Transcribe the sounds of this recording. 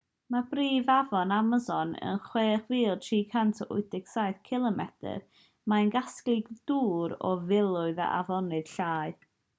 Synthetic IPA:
mabriːvavɔnaməzɔnə̰nχweːχviːlˠtʰriːkʰantʰəʔʊɨdɪksaɨθkʰɪlˠəmɛtʰə̰r | maənɡasklˠɨɡd̥uːɾɔ̰vɪlˠʊɨða̰ʔa̰vɔnɨd̥ɬaːɨd

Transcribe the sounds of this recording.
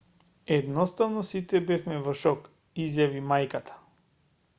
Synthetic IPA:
ɛd̪nɔst̪avnɔsit̪ɛbɛfmɛvɔʃɔk | izjavimajkat̪ʰḁ

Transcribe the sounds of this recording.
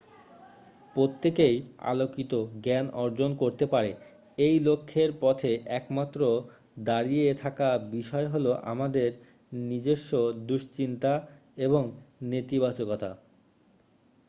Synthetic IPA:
pɾot̪ːekeja̰lokit̪oɡɛnɔɾd͡ʑonkoɾt̪epaɾe | ejlokʰːeɾpɔt̪ʰeʔɛkmat̪ːɾo | d̪aɾiet̪ʰakabiʃɔeɦoloʔa̰mad̪eɾ | nid͡ʑeʃːod̪uʃt͡ɕint̪a | eboŋnet̪ibat͡ɕokɔt̪ʰa

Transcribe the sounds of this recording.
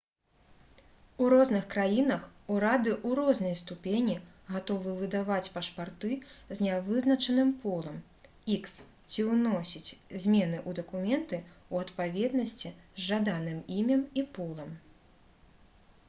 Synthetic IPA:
uɾɔznɨxkɾajinɐxuɾad̪ɨʔuɾɔznɐjst̪upʲenʲi | ɣat̪ɔvɨvɨd̪avat͡sʲpɐʂpart̪ɨzʲnʲavɨznɐt͡ʂɐnɨmpɔlˠɐm | iks | t͡sʲiwnɔsʲit͡sʲzʲmʲɛn̪ɨʔud̪ɐkumʲɛnt̪ɨ | uɐt̪pavʲɛd̪nɐsʲt͡sʲizʐad̪anɨmimʲɐmipɔlˠɐm

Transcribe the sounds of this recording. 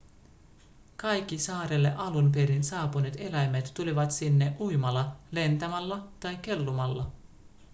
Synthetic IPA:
kɑjk̟ːisɑːɾelːe̞̰ʔɑlumpeɾinsɑːpunet̪e̞læjmet̪ːuliʋɑt̪sinːe̞ʔujmɑlːɑle̞nt̪æmælːɑt̪ɑjk̟ːe̞lːumɑlːɑ

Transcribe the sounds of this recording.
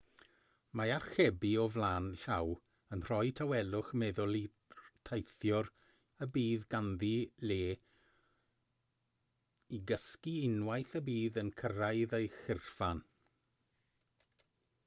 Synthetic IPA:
maar̥χɛbiɔvlˠaːnɬaw | ənr̥ɔjtʰawɛlˠʊχmɛðʊlˠi | tʰajθjɔr | əbiːðɡanðileː | iɡəskiɪnwajθəbiːðənkʰəraɨðejχɪrfan

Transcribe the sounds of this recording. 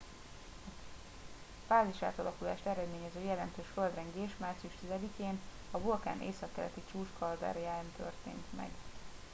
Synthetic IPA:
faːziʃa̰ːt̪ɒlɒkula̰ːʃt̪ɛɾɛd̪meːɲɛzøːjɛlɛnt̪øːʃføld̪rɛŋɡeːʃmaːrt̪sijuʃt̪izɛd̪ikeːn | ɒvulka̰ːnʔḛːsɒkːɛlɛ̰t̪it͡ʃuːʃkɒld̪ɛ̰rjaːnt̪ʰø̰rt̪ḛːnt̪mɛ̰ɡ

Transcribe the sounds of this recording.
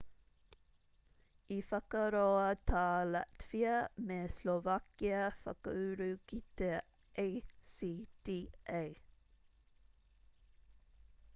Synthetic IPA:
iːfɑkəɾoːət̪ʰɑːla̰t̪fiəmeːslovɑkiəfɑ̰kəʉːɾʉːkit̪ə | ʔeɪsiːd̪̥iːʔeɪ

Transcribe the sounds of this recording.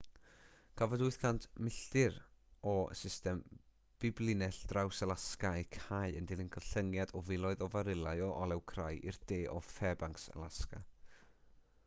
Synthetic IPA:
kʰavɔdʊɨθkʰantʰmɪɬtɪɾɔə̰sɪstɛm | b̥ɪblˠɪnɛɬd̥rawsəlˠaskaejkʰaɨəndɪlˠɪnkʰəɬəŋjadɔvɪlˠɔɨðɔvaɾɪlˠaɨɔʔɔlˠɛwkʰrajʔḭrd̥eːʔɔfɛbaŋksə̰lˠaska̰

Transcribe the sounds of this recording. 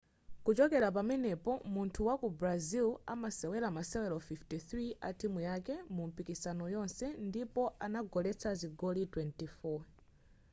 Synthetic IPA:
kut͡ʃɔkɛɾap̬amɛnɛpɔmuntʰuwakubɾazila̰masɛwɛlamasɛwɛlɔfiftiθɾiʔa̰tʰimujakɛmum̩pikisanɔjɔnsɛndipɔʔanaɡɔlɛt͡sʰaziɡɔlitwɛntifɔ

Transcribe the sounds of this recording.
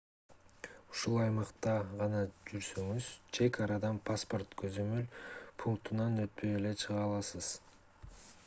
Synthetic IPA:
uʃulˠɑjmɑqt̪ɑʁɑnɑd͡ʒyɾsøŋyz̥t͡ʃʰe̞kɑɾɑd̪ɑnpʰaspo̞rt̪kʰø̞zø̞mø̞lpʰuŋk̚t̪unɑnøt̪̚pøjele̞t͡ʃʰɯʁɑːlˠɑsɯz̥

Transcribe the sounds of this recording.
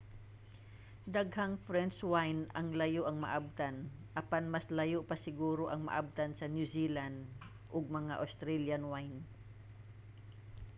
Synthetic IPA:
d̪ɐɡhaŋfɾɛnswajnɐŋlɐjoʔɐŋmɐ̰ʔab̚t̪anʔɐpanmɐslɐjopɐsɪɡuːɾoʔɐŋmɐ̰ʔa̰b̚t̪ansɐnjusiland̪ | ʔoɡ̚mɐŋa̰ʔɐst̪ɾɛljanwajn

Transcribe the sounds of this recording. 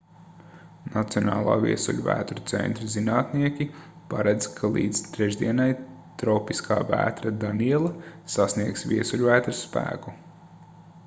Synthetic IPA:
nat̪siɔna̰ːlˠa̰ːvḭɛsṵʎʲvæ̰ːt̪ɾut̪sɛ̰nt̪ɾizinaːt̪niɛkʲi | paɾɛd̪z̥kʰalˠḭːd̪z̥t̪ɾɛʒd̪iɛnaj | t̪ɾɔwpiskʰa̰ːvæ̰ːt̪ɾad̪aniɛlˠɐsasniɛksviɛsulʲvæːt̪ɾspæ̰ːku

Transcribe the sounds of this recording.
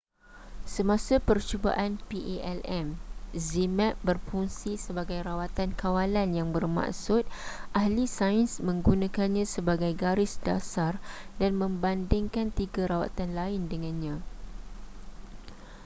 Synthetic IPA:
səmãsapərt͡ʃuba̰ʔanpiʔeʔɛlɛmzimɛʔ̚bərpuŋsisəbaɡajɾawat̪ankawalanjaŋbərmã̰ʔsʊt̪̚ʔahlisainsmə̃ŋɡunãkanɲãsəbaɡajɡaɾɪsdasardanmə̃mbandɪŋkant̪iɡaɾawa̰t̪anlaɪndəŋãnɲã

